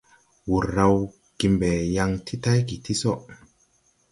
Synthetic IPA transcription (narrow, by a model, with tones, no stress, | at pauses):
wu˨ɾːa˧w | ɡ̥i˨mbɛ˨ja˧ŋtʰi˦ta˦jki˨ti˦so˦˨ʔ